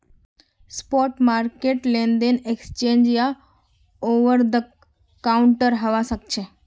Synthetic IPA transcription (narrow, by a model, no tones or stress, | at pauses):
spɔʈmaɾkeʈlẽnd̪eneksət͡ʃẽnd͡ʒja | oʋəɾd̪ə | kauɳʈəɾɦəʋaʃəkt͡ʃʰe